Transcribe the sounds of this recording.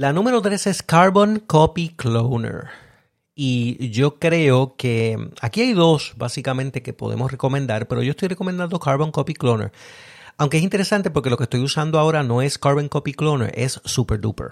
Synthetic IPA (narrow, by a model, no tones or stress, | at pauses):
lanũme̞ɾo̞t̪ɾe̞se̞skaɾβõ̞ŋkopiklownḛɾ | iʝo̞kɾe̞oke̞akiajðo̞sbasikamẽnt̪e̞ke̞po̞ðḛmosreko̞mẽ̞nd̪aɾpe̞ɾojoest̪ojreko̞mend̪and̪o̞kaɾβo̞ŋkopiklonḛɾ | awŋkees̬int̪eɾe̞sant̪epoɾke̞lokest̪o̞jusand̪oao̞ɾano̞e̞skaɾβoŋkopiklonḛɾʔe̞̰sːupeɾd̪ṵpḛɾ